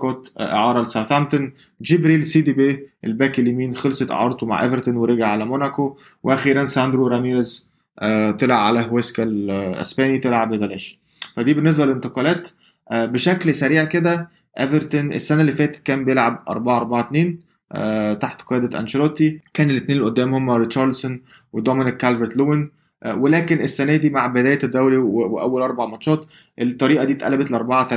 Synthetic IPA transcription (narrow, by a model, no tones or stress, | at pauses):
koːt̪ʔḛʕɑːɾˤɑlsæθæmt̪on | d͡ʒibɾiːlsiːd̪ibeːʔelbæːkelːimiːnxelsˤet̪ʔḛʕɑ̰ɾˤt̪oma̰ʕʔæ̰veɾt̪onweɾeɡaʕʕalæmonæko | weʔæxiːɾænsænd̪ɾoɾæmiːɾez | ʔt̪elʕaʕa̰læɦweskælʔḛsbæːnit̪elʕabed̪ælæːʃ | fæd̪iːbenːes̬bælelent̪eqɑːlæːt̪ | ʔbeʃæklsæɾiːʕked̪æ | ʔæveɾt̪onʔḛsːænæʔlːifæːt̪e̥t̪̚kæːmbejelʕabʔɑ̰ɾˤbɑʕaʔɑɾˤbaʕat̪neːn | ʔæt̪aħt̪qejæːd̪æt̪ʔæ̰nʃeɾˤɑt̪ikæːnelːet̪neːnelʔod̪ːæːmhomːæɾetʃɑɾˤlson | wed̪ˤɑmenekːælveɾt̪lowen | ʔwelæːkenesːænæːd̪iːmaʕbed̪æːjæt̪d̪ːæwɾiweʔæwːælʔɑɾˤbaʕmɑt̪ʃɑːt̪ | ʔet̪ˤːɑɾiːʔæd̪iːt̪ʔæ̰læbæt̪leʔɑɾˤbɑʕat̪æl